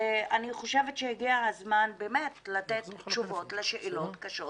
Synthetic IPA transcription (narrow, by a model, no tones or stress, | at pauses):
ʔaniχo̞ʃe̞vetʃehiɡiaazmanbemetlatett͡ʃuvo̞tleʃeʔilo̞tkaʃot